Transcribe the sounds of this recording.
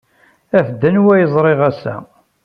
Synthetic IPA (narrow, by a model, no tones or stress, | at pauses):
æfd̪ːənwæjzˤɾˤɪʁæsæ̰